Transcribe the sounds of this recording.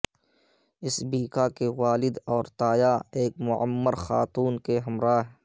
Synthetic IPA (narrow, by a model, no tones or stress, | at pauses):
ɪsbiːkakewaːlɪd̪ɔːɾt̪aːjaeːkmʊʕə̰mːəɾxa̰ːt̪uːnkeɦɐmɾaːɦ